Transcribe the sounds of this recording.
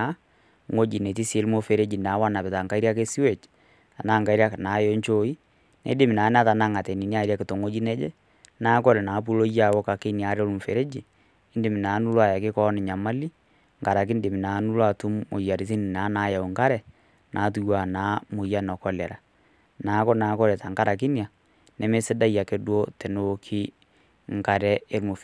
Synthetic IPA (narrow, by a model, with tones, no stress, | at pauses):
a˦ | ŋo˦d͡ʒi˨ne˨ti˦se˦lmo˨fe˨ɾe˦d͡ʒi˨na˨˦wa˦na˨pɛ˨ta˨ŋka˦i˦ɾja˦ke˦si˦we˨t͡ʃ | a˨na˦ŋɡa˨i˦ɾa˦kna˨˦jo˦ɲt͡ʃo˨˦i˦ | nḛ˨˦dɪ˨mɪ˨na˨˦n˦a˦ta˨na˦˨ŋa˨tɛ˨ni˨ni˦a˦ɾa˦kɪ˨to˨ŋo˦d͡ʒi˦nɛ˦d͡ʒe˦ | naː˦kɔ˦lɛ˨na˨˦p̬u˦lo˦ja˦˨wo˦ka˨ke˦ni˨a˨˦ɾo˦lu˦m˨fe˨ɾe˦d͡ʒi˨ | ɪ˦ndɪ˨mi˨na˨˦nu˦lwa˨ja˨kɪ˦kɔ˦nɪ˨ɲa˨ma˦li˦ | ŋɡa˨ɾa˨k̬i˦n˦dɪ˨mɪ˨na˨˦nu˦lwa˨tu˦mo̰˨ja˨ɾi˨ti˦ni˨naː˨˦naː˨˦ja˨u˨ŋka˦ɾɛ˨ | nʔa˨˦t̬u˦jwa˨naː˨˦mʊ˨ja˦nɔ˨kɔ˦lɛ˨ɾa˨ | naː˨˦kɔ˦naː˨˦kɔ˦ɾɛ˨ta˨ŋɡa˦ɾa˨k̬i˦nja˨ | nɛ˨me˦sɪ˦da˦ja˨ke˨dwo˦tɛ˨no˦kʰi˦ | ŋka˨ɾɛ˦e˦lmu˨f